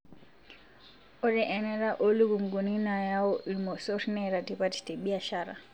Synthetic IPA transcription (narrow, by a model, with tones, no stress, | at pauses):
ɔ˦ɾɛʔɛ˨nɛ˦ɾa˦ʔo˦lu˦ɡu˨ŋɡu˨ni˦na˨ja˦ɔ˦ʔimɔ˨sɔɾnɛɾa˨tipati̥ti˨ɓia˨ʃaɾa̰˨